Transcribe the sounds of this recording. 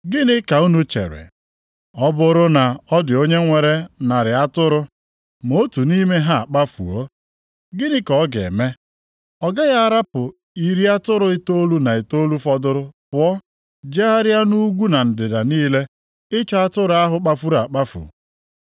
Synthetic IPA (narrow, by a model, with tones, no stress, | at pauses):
ɡɪ˦nɪ˦ka˨u˦nu˦t͡ʃḛ˨ɾɪ̰˨ | ɔ˦bʊ˦ɾʊ˦na˨ɔ˦dɪ˨o˦ɲe˦ŋʷe˨ɾe˦na˨ɾɪ˨a˦tʊ˦ɾʊ˦ | m˨o˦tu˨ni˦me˦ɦa˦a˨k͡pa˦fṵ˨o˦ | ɡɪ˦nɪ˦kɔ˨˦ɡḛ˨me˦ | ɔ˨ɡa˦ɣa˦a˦ɾa˦pʊ˨ | i˨ɾi˦a˦tʊ˦ɾʊ˦ɪ˦to˦lu˦na˨e˨to˦lu˦fɔ˦dʊ˦ɾʊ˦pʊ˨ɔ˦ | d͡ʒe˦a˦ɾja˦nu˦ɡʷu˦na˨n̩˨dɪ˨da˨niː˦le˦ | ɪ˦t͡ʃɔ˦a˦tʊ˦ɾʊ˨˦a˦ɦʊ˨k͡pa˦fu˦ɾa˨k͡pa˦fṵ˨